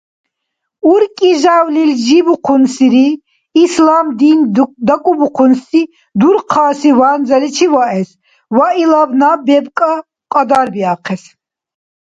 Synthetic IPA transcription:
uɾkʼiʒawlild͡ʒibuqʰunsiɾiː | slamd̪ind̪akʼubuqʰunsi | d̪uɾqʰaːsivaːnd͡zalit͡ʃʰivaɛs | wailabnabɛbkʼa | qʼad̪aɾbiaqʰɛs

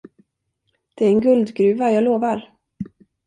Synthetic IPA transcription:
d̪̥ɛæɾɛnɡɵld̪ɡɾʉ̟ːvajɑːɡloːvaɾ

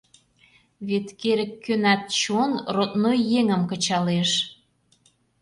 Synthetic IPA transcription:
βet̪keɾə̆kːønæt̪̚t͡ɕonrot̪nojːeŋə̆mkə̆t͡ɕɑleʃ

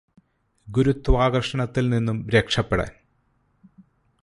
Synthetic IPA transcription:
ɡuɾut̪ːʋaːɣɐrʂɐɳɐt̪ːilninːumɾekʂɐpːeɽḛːn

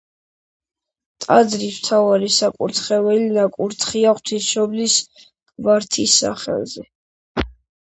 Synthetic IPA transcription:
t̪ʼad̪zɾismt̪ʰavaɾisakʼuɾt̪ʰχɛvɛlinakʼuɾt̪ʰχiaχwt̪ʰisʃɔblis | kʼvaɾt̪ʰisːa̰χɛ̰lˠzɛ

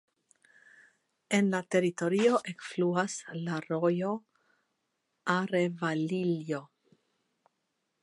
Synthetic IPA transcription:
enlat̪e̞ɾit̪o̞ɾioʔekfluaslaɾojo | aɾevaliljo

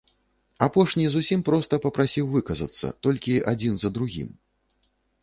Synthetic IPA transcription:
apɔʂnʲizusʲimpɾɔst̪ɐpɐpɾasʲiwvɨkɐzɐ̰t̪sːɐ̰t̪ɔlʲkʲiʔad͡zʲinzɐd̪ɾuɣʲḭm

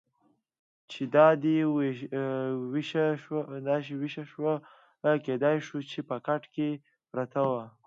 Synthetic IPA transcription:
t͡ʃed̪ɑd̪i | wʃd̪ɑt͡ʃewiʃaʃwa | ked̪ɑjʃut͡ʃepəkaʈke | pɾat̪awa

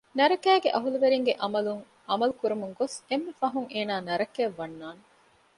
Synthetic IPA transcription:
nɐɾɐkæːɡeʔɐɦuluʋeɾiŋɡeʔɐmɐluŋ | ɐmɐlukuɾumuŋɡosemːefɐɦuŋʔeːnaːnɐɾɐkeːʋːɐnːaːne

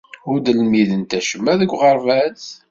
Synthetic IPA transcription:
ʊɾd̪əlmiðənt̪æʃəmːæðəɡʷʁəɾˤvæz

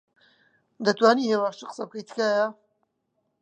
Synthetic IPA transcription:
d̪ɐt̪waːniːheːwaːʃt͡ʃʰɨqə̥sɐb̚kɐjt̪ɨ̥kaːja

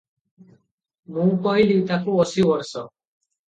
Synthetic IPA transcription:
nũwpɔɦiliwt̪akuɔsibɔɾsɔ

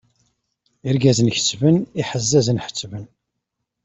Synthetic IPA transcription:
iɾɡæzənçə̥t͡sːvəniħəzːæzənħə̥t͡sːvən

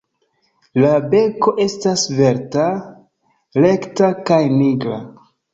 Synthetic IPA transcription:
labe̞ko̞ʔe̞stasve̞ɾta | le̞ktakajniɡɾa̰

